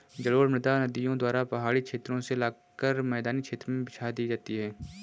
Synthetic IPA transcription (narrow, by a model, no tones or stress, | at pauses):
d͡ʒɐɽoːɽmɪd̪anɐd̪ɪjõd̪waːɾapɐɦaːɽikʃeːt̪ɾõselaː | kəɾmɛːd̪aːnikʃʰeːt̪ɾmẽbɪt͡ʃʰad̪iːd͡ʒaːt̪iɦɛː